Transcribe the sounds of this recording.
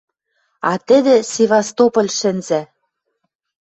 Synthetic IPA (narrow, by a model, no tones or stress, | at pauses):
ɑt̪ɘ̆d̪ɘ̆sʲevɑst̪opɤ̆lʲʃɘ̆nzæ